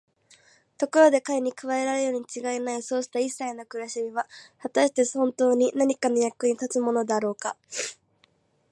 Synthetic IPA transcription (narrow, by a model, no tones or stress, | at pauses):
t̪o̞koɾo̞d̪e̞kaeɲ̟ikɯ̟βae̞ɾaɾejo̞ːɲ̟it͡ɕiɡaenaiso̞ːɕi̥t̪aisːaino̞kɯ̟ɾɯɕimʲiβ̞ahat̪aɕi̥t̪e̞õ̞nt̪o̞ːɲ̟inaɲ̟ikano̞jakːɯ̟ɲ̟it̪at͡sɨmo̞no̞d̪aɾo̞ːka